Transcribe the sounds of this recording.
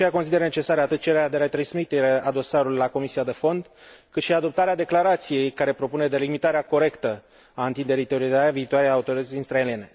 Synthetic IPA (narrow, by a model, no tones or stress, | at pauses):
t͡ʃejakosid̪eɾənet͡ʃe̞saɾeat̪ɨt̪̚t͡ʃeɾead̪e̞ɾet̪ɾasmit̪eɾaad̪o̞saɾulujlako̞misijad̪e̞fo̞nd̪kɨt̪ʃiad̪o̞p̚t̪aɾead̪e̞klaɾat̪sije̞jkaɾe̞pɾo̞pune̞d̪e̞limit̪aɾeako̞ɾe̞kt̪ə | aɨnt̪ind̪e̞ɾijt̪eoɾizaɾaviːt̪oaɾejaut̪o̞ɾit̪ət̪sʲinst̪ɾae̞lije̞ne̞